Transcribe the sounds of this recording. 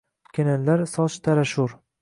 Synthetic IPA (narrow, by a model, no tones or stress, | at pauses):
kʲʰenanlaɾsɒʃt̪ʰaɾaʃʊɾ